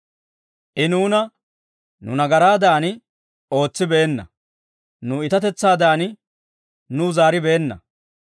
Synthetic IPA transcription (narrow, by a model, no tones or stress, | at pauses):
ʔɪnuːnɐ | nʊ̰nɐɡɐɾaːd̪aːnɪ | o̞ːt͡sːɪbeːnːɐ̰ | nʊɪt̪ɐt̪ɛt͡sːaːd̪aːn | nʊzaːɾɪbeːnːɐ̰